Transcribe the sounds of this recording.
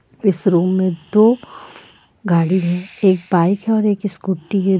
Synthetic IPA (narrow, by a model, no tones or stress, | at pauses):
ɪsɾuːmːẽd̪oː | ɡaːɽiɦɛ̃eːk̚baːɪkʰɦɛɔːɾeːkɪskʊʈːiɦɛ̃